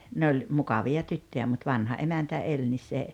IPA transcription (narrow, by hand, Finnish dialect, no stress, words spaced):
ne olʲ mukɑʋiɑ tytːøjæ mut ʋɑnhɑ ʔemæntæ elʲ nis se